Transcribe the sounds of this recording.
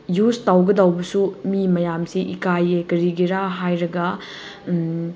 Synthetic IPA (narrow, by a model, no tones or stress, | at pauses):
justawɡɐdawbɐsumimɐjamsiʔikajekɐɾiɡiɾaɦajɾɐɡɐ